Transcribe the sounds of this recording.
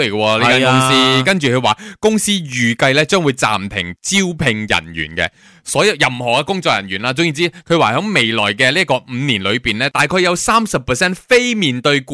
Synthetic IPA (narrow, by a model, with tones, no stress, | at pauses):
e˨˩jkə˧wɔː˧liː˥˨˥kaː˥kʊ˥ŋsiː˥kɐ˥nt͡ʃyː˨kʰɵ˨˧waː˨˩kʊ˥ŋsiː˥jyː˨˩kɐ˧jlɛː˥t͡ʃœː˥ŋwu˨˧jt͡sa̰ː˨mt̪ʰɪ˨˩ŋt͡siː˥wpʰɪ˧ŋjɐ̰˨˩nɥy̰ː˨˩nkɛ̰˧ | sɔː˨˥jɐ˨˧wjɐ˨mhɔː˨˩kɛ˧kʊ˥ŋt͡ʃɔː˧k̚jɐ˨˩njyː˨˩nlaː˧t͡sʊ˧˥ŋjiː˨˩t͡siː˥kʰɵ˨˧ɥwaː˨˩hœː˨˥ŋme˨˩jlɔː˨˩jkɛː˧liː˥kɔː˧m̩ː˨˧niː˨˩nlɵ˨˧ɥpiː˨nlɛː˥t̪aː˨˩jkʰɵ˧jɐ˨˧wsaː˥msɐ˨pʰːɛː˨˩sɛː˥nfe˥jmiː˨˩nt̪ɵ˧ɥkː